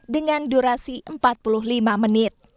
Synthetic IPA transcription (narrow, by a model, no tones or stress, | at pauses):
dəŋanduɾasiʔəmpat̪̚pulʊɦlimamənɪt̪̚